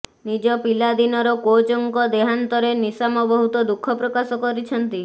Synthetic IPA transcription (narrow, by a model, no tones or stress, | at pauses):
nid͡ʒɔpilad̪inɔɾɔkot͡ʃoŋkɔd̪eɦant̪ɔɾenisamɔbɔɦut̪ɔd̪ukʰɔpɾɔkasɔkɔɾit͡ʃʰɔnt̪i